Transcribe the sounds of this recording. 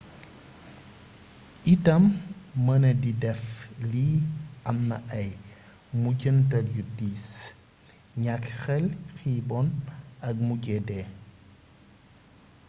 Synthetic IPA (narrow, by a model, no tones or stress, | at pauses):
ʔitɐmːɐnɐdidɛfliɐmnɐʔɐj | muɟəntɐljudiːs | ɲakxɛlxibɔnɐk̚muɟɛdɛː